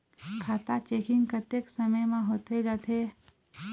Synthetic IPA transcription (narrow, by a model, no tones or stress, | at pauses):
kʰaːt̪at͡ʃeːkɪ̃ŋɡkət̪eːksəməjmãɦoːt̪ed͡ʒaːt̪e